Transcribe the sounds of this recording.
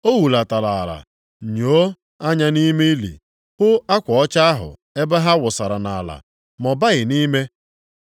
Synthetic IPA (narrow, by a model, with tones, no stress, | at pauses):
o˦wu˨la˨ta˨la˨a˨la̰˨ | ɲo˨˦ | a˦ɲa˦ni˦me˦i˦lḭ˨ | hʊ˦a˦kʷɔ˨ɔ˦t͡ʃa˦a˦ɦʊ̰˨ | e˦ba˦ɦa˦wʊ˨sa˨ɾa˨na˨la̰˨ | mɔ˨ba˦ɣɪ˨ni˦me˦